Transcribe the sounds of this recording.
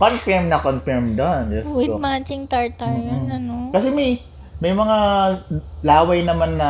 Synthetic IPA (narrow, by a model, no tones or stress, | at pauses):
konfɛɹmnɐkonfɛɹmd̪onɡɛstwɪomat͡ʃɪŋt̪aɹt̪ɐɹɐnokɐsɛmɐj | mɐjmɐŋa | laːwɐjnɐmanːɐ